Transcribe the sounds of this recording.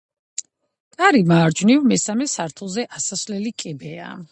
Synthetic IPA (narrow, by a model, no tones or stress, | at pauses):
k̪ʼaɾimaːɾd͡ʒnivmɛsamɛsaɾt̪ʰulˠzɛʔasasvlɛlikʼɛbɛa̰